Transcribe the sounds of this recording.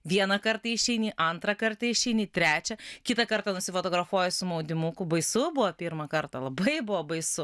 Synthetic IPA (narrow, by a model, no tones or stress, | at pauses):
ʋʲiɛnɐkɐɾt̪ɐɪʃʲɛɪnʲiʔɐnt̪ɾɐkɐrt̪ɐɪʃʲɛɪnʲit̪ʲɾʲæːt͡ʃʲɛkʲɪt̪ɐkɐɾt̪ɐnʊsʲɪfot̪oːɡɾɐfuɔjɛsʊmɐʊd̪ʲɪmʊkʊbɐɪsʊbʊʋɐpʲiɾmɐkɐrt̪ɐlˠɐbɐɪbʊʋobɐɪsʊ